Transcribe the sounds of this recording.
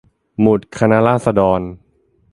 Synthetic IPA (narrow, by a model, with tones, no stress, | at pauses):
mu˨˩t̪̚kʰa˧na˦˥laː˥˩t̪̚sa˧dɔː˧n